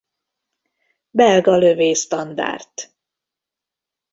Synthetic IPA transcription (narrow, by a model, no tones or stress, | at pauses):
bɛlɡɒløveːst̪ɒnd̪a̰ːrt̪